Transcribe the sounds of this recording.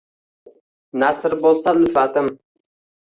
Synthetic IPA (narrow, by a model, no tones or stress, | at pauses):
nasɪɾbolˠsalɪfat̪ɪm